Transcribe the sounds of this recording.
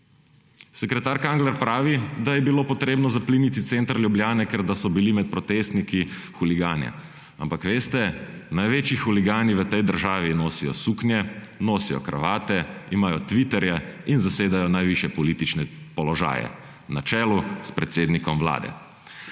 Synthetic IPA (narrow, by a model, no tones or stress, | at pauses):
sɛkɾɛt̪aːɾkaŋɡlɛɾpɾaːʋid̪ajɛbiloːpɔt̪ɾeːbnɔzapliːnit̪it̪sent̪ɾlʲjublʲjaːnɛkɛɾd̪asɔbilimɛt̪̚pɾɔt̪eːst̪niki | xuliɡaːnjɛ̰ | a̰mpakʋeːst̪ɛnajʋeːt͡ʃixuliɡaːniʋət̪ɛjd̪əɾʒaːʋinoːsijɔ̰suknjɛnoːsijɔ̰kɾa̰ʋaːt̪ɛimaːjɔt̪ʋit̪ɛɾjɛinzaseːd̪ajɔnajʋiʃjɛpɔlit̪it͡ʃnɛpɔlɔʒa̰ːjɛ̰ | nat͡ʃɛːluspɾɛt̪seːd̪nikɔmʋla̰ːd̪ɛ̰